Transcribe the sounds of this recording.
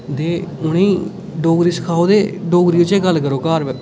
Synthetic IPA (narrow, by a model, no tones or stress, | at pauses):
d̪eːʊnĩː | ɖoːɡɾiːsə̥kʰaːoːd̪eːɖoːɡɾiːot͡ʃẽːɡəlːkəɾoːkaːɾʋɛ